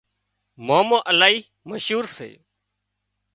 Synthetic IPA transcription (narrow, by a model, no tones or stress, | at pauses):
moːmõːʔəlaːɦiː | məʃɦuːɾsḛː